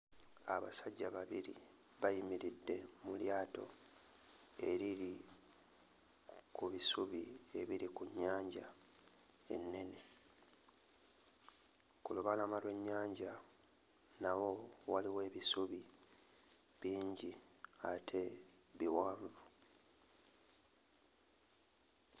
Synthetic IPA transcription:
aβa̰saɟːaβaβiɾḭ | βajimiɾidːe̞muljaːto̞̰ | e̞ɾiɾi | kuβisuβie̞βiɾikuɲːaːɲɟa | e̞̰nːe̞ne̞ | kuluβalamalwe̞ɲːaːɲɟa | nawo̞waliwe̞ːβisuβi | βiːɲɟiatʰe̞ | βiwaːɱvu

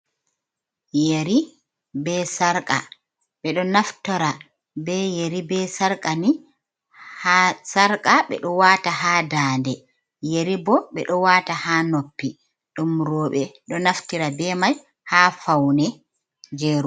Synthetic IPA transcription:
jeɾi | bɛsaɾkʼa̰ | ɓɛɗɔnaftɔɾa | bɛjeɾibɛsaɾkʼani | hasaɾkʼaɓɛ̰ɗɔwaːtahaːdaːndɛ | jeɾibɔɓɛɗɔwaːtahaːnopːi | ɗumɾɔːɓɛɗɔnaftiɾabɛmaj | hafawnɛ | d͡ʒeːɾu

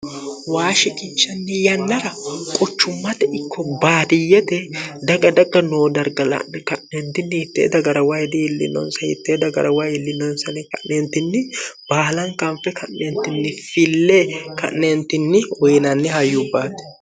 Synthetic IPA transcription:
waːʃɪkʼɪnt͡ʃːɐnːɪjɐnːɐɾɐkʼɔt͡ʃːʊmːɐt̪ɛʔɪkːɔbaːd̪ɪjːɛt̪ɛd̪ɐɡɐd̪ɐɡːɐnoːd̪ɐɾɡɐlɐ̰nːɛkɐʔnent̪ːɪnːɪɪt̪ːḛːd̪ɐɡɐɾɐwɐjd̪ɪɪlːɪ̰nːɔ̰nsɐɪ̰t̪ːeːd̪ɐɡɐ̰ɾɐwajɪlːɪnːɔnsɐnɛkɐʔneːnt̪ːɪnːɪb̥aːlɐŋkɐmfɛkʰɐʔnent̪ːɪnːɪfɪlːekɐ̰ʔnent̪ːɪnːɪɔjnɐnːɪhɐjːʊbːaːt̪ɛ̥

